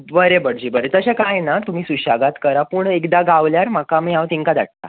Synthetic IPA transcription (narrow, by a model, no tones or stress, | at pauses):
bəɾebəɽd͡ʑiːbəɾet̪əɕakajnat̪um̤iːsuɕaɡat̪kəɾapuːɳekd̪aɡaʋljaɾmakamiãʋt̪iŋkad̪a̰ʈ̚t̪a̰